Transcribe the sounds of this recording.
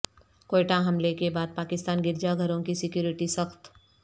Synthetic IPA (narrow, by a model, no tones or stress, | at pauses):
koːɪʈaɦɐmlekebaːd̪̚paːkɪst̪aːnɡɪɾd͡ʒaɡʱɐɾõkisɪkjuːɾɪʈisɐxt̪